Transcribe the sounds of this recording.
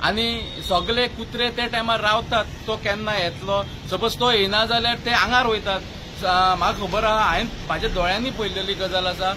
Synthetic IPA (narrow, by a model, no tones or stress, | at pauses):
a̰ñi | sɔɡlekut̪ɾet̪eʈamaɾawt̪at̪ːɔkɛnːajɛt̪lɔ | səbəd͡zt̪oenad͡zaljaɾt̪eãŋɡaɾɦojt̪at̪ | makʰəbəɾaɦaainmad͡ʑad̪ɔɭjãnːiːpəjleliːɡəd͡zalat͡sa